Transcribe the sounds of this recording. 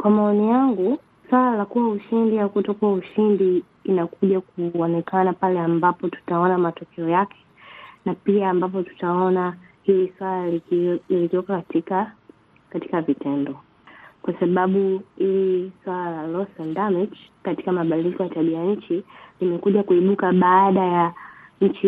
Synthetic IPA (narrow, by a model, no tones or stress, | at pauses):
kwamaɔnijaŋɡu | swalalakuwauʃindijakutɔkuauʃindiː | nakuʄak̚uɔnɛkanapalɛambapɔtu̥taɔnamatɔkʰɛɔjakʰɛ̥napiaːmbap̬ɔtu̥taɔna | hiliswalalililitɔkakatika | kati̥kavitɛndɔ | kwasaɓaɓuhiliswalalalɔsandamit͡ʃkati̥kamaɓadilikɔjataɓijaɲ̩t͡ʃilimɛkuʄakuiɓukaɓaːɗajaɲ̩t͡ʃi